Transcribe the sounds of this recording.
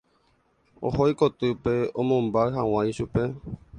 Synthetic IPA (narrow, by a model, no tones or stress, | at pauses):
o̰hojkot̪ɨpeõmõmbaɦãw̃ãj̃ʃupe̞